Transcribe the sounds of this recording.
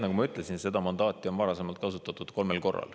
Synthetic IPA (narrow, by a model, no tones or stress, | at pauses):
nɑkumɑyt̪ˑle̞sinse̞d̪ɑmɑnd̪ɑːt̪ːˑio̞nvɑɾɑse̞mɑlt̪̚kɑsut̪ːˑɑt̪ːˑud̪̥ko̞lme̞lko̞rːɑ̰l